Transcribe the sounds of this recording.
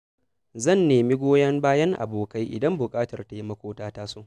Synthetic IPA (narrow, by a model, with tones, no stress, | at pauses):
zɐ˦˨nːeː˨mi˦ɡʷoː˦jɐ˦mbaː˦jɐ˦ŋʔa̰˨boː˨ka˦jʔɪ̰˨dɐ˦mbʊ˨kʼaː˦tɐ˨rta˨ji˦mɐ˦kʷoː˦taː˦taː˦soː˦ʔ